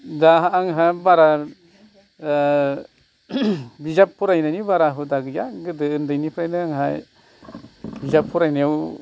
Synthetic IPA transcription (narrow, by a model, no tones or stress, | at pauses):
daɦaːŋɦabaɾa | bid͡ʒapʰːuɾajnanibaɾaɦudaɡɯja̰ɡɯdɯːndajnipʰɾajnɯaŋɦaj | bid͡ʒapʰːuɾajnaw